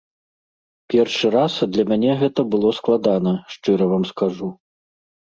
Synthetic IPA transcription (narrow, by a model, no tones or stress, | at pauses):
pʲɛrʂɨɾasd̪lʲɐmʲanʲɛɣɛt̪ɐbɨlˠɔsklˠad̪anɐʂt͡ʂɨɾɐvamskaʐu